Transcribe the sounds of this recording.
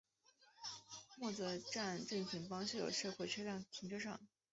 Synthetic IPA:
mwɔ˥˩d͡zə˩ʈ͡ʂa˥˧nʈ͡ʂə˥˩ŋ˧˩pʰi˧˥ŋpɑ˥ŋɕi˥˩jo̰˨˩ʂɤ˥˧kʰwɔ˥˩t͡ɕʰɥɛ˥ljɑ˥˩ŋt̪ʰi˧˥ŋʈ͡ʂɤ˥ʂɑ˥˩ŋ

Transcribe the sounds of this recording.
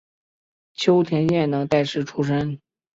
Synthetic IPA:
t͡ɕʰjo˥ʊt̪ʰjɛ˧˥nɕjɛ˥˩nnɤ˧˥ŋt̪a˥˩ɪʂʰɻ̩˥˩ʈ͡ʂʰu˥ʂə˥n

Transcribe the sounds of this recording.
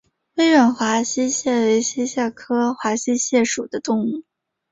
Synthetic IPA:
we˥ɪɥə˧˩nxwa˧˥ɕi˥ɕjɛ˥˩we˧˥ɪɕɛ˥ɕja˥˩kʰɤ˥xwa˧˥ɕi˥ɕjɛ˥˩ʂu˨˩d̪ə˦t̪ʊ˥˧ŋu˥˩

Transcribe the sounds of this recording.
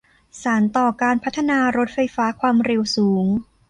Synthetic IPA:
saː˩˦nt̪ɔː˨˩kaː˧npʰa˦˥t̪ʰːa˧naː˧ɾo˦˥t̪̚fa˧jfaː˦˥kʰwaː˧mɾe˧wsuː˩˦ŋ

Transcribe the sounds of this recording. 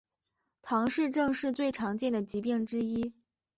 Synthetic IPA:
t̪ʰɑ˧˥ŋʂɻ̩˥˧ʈ͡ʂɤ˥˧ŋʂɻ̩˥˧t͡swe˥˩ɪʈ͡ʂʰɑ˧˥ŋt͡ɕjɛ˥˩nd̪ə˩t͡ɕi˧˥pi˥˩ŋʈ͡ʂɻ̩˥i˥

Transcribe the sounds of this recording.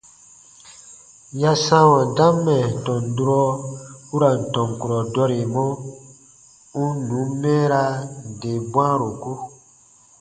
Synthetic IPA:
ja˦sã˦wɔ̃˨dã˦mːɛ˨tɔ̃˨ndu˦ɾɔ˦u˦ɾa˨n̩˨tɔ̃˨ŋ˨ku˨ɾɔ˨dɔ˧ɾe˨mɔ̃˦ | ũ˦nũ˨˦mɛ̃ː˦ɾa˦˧˨de˨bwã˦ɾo˨ku˦

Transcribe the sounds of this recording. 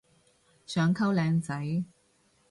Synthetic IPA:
sœː˨˧ŋkʰɐ˥wlɛː˨˧ŋt͡sɐ˨˥j

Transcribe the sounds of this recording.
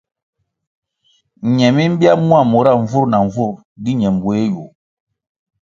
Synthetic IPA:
ɲɛ˨mi˦m̩˦bi˦a˦mũ˦a˦˨mo˨ɾa˦˨ɱ˨vu˦ɾna˨ɱ˨vu˦˨ɾ | di˦ɲɛ˨m˨bo˨e˦ju˨

